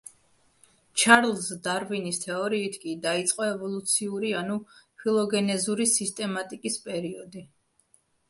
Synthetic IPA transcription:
t͡ʃʰaɾlˠzd̪aɾvinist̪ʰɛɔɾiːt̪ʰkʼid̪ait̪sʼqʼɔɛvɔlˠut̪sʰiuɾianupʰilˠɔɡɛnɛzuɾisist̪ʼɛmat̪ʼikʼispʼɛɾiɔd̪i

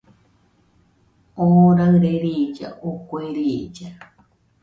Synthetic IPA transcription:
oɾaɾeɾid͡ʒa̰ʔokʷeɾid͡ʒa

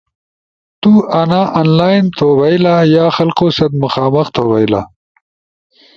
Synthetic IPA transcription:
t̪uːanaːʔaːnlaːjnt̪ʰoːwɐilaːjaːxɐlqoːsɐt̪mɐxaːmɐxt̪ʰoːwɐjla̰

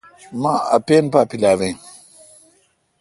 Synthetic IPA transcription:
mãɐpeːnpaːpilaːʋẽ

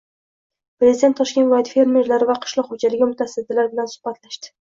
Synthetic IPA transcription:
pɾezid̪ent̪ːʰɒʃkʲevlɒɪt̪fe̞ɾme̞ɾlaɾɪvaqʰɨ̥ʃlˠɒqhod͡ʒalɪɡʲamʊt̪ʰasd̪ɪlaɾbɪlansʊ̥hbat̪ʰlaʃt̪ɪ̥

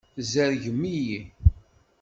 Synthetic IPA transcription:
zæɾʝəmːiji

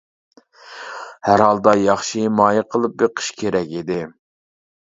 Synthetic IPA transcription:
hæɾhɑlˠd̪ɑjɑχʃimɑːjəqʰəlˠɨp̚beqʰə̥ʃkʲʰeɾɛkʲid̪ɪ

